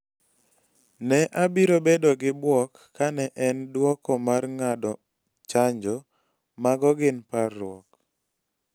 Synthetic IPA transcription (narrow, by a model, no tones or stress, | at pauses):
nɛʔabiɾobedoɡɪbwɔkːanɛʔɛndwɔkɔmarŋadɔ | t͡ʃaɲd͡ʒɔ | maɡɔɡɪnparːʊɔ̰k